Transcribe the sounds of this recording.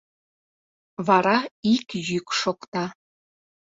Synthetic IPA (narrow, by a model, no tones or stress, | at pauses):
βɑɾɑikjykʃokt̪ɑ